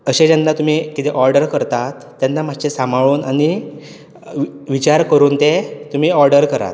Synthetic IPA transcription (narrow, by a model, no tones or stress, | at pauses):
əɕed͡ʑanːat̪um̤ikit̪eʔɔɾɖəɾkəɾt̪at̪ːjanːam̤ad͡ʑt͡ɕesambʱaɭuːnañi | ʋit͡ɕaɾkəɾuːnt̪et̪um̤iːɔɾɖəɾkəɾa̰t̪